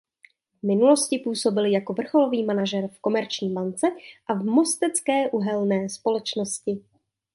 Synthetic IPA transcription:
vmɪnulo̞scɪpuːso̞bɪljako̞vr̩xo̞lo̞viːmanaʒɛɾfko̞mɛɾt͡ʃɲiːbant͡sɛʔavmo̞st̪ɛt͡skɛːʔuɦɛlnɛːspo̞lɛt͡ʃno̞scɪ

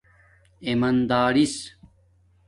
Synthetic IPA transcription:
emɐnd̪aːɾis

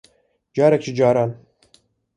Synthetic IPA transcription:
d͡ʒaːɾak̚t͡ʃʰid͡ʒaːɾan

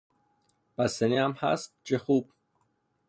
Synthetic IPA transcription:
b̥æseniæmhæ̰st̪̚t͡ʃexub̥̚

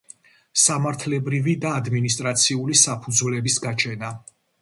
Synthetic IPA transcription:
samaɾt̪ʰlɛbɾivid̪aːd̪minis̬t̪ʼɾat̪sʰiulisapʰud̪zvlɛbisɡat͡ʃʰɛna

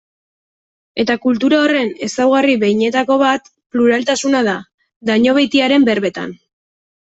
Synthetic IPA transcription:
e̞t̪akult̪uɾaore̞ne̞sawɣ̞ariβe̞jɲe̞t̪ako̞βat̪ | pluɾalt̪asunað̞a | d̪aɲo̞βejt̪iaɾe̞mbe̞ɾβe̞t̪a̰n

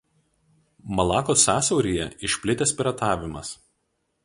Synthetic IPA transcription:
mɐlˠɑːkoːsɑːsʲɐʊɾʲiːjɛ̰ɪʃʲpʲlʲɪt̪ʲɛsʲpʲɪɾɐt̪ɑːʋʲɪmɐs

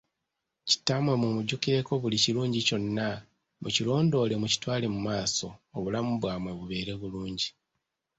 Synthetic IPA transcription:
ci̥tːamwe̞mumuɟukiɾe̞ko̞βuliciluːɲɟico̞nːa | mucilo̞ːndo̞ːle̞muci̥twaːle̞mumaːso̞ːβulamuβwaːmwe̞βuβe̞ːɾe̞βuluːɲɟi

